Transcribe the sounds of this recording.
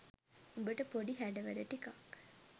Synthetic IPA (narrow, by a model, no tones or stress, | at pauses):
umbəʈəpoɖiɦæɖəʋæd̪əʈikak